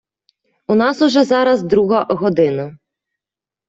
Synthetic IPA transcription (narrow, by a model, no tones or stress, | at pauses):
unɑsʊʒɛzɑɾɐzd̪ɾuɦɐʔɦɔd̪ɪnɐ